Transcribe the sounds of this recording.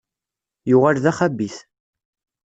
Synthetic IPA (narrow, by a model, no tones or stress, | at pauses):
jʊʁalðæχæbːiθ